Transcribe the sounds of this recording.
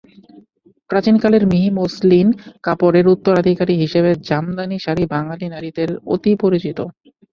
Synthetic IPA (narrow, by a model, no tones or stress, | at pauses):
pɾat͡ɕinkaleɾmiɦimoslinkapoɾeɾut̪ːoɾad̪ʱikaɾiɦiʃeβed͡ʑamd̪aniʃaɾibaŋalinaɾid̪eɾo̰t̪ipoɾit͡ɕit̪o